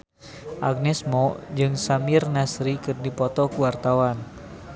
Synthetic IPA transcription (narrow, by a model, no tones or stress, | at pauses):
ʔaɡ̚nɛsmɔd͡ʒɨŋsamirnasɾikɨrdipɔt̪ɔkuwart̪awan